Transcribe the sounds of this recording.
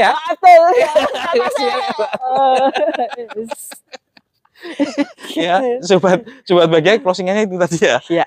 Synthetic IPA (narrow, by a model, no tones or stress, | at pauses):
jaat̪ə | sa | ɛs | jasobat̪̚səbat̪̚baɡakɾɔsiŋanɲait̪ut̪adijaja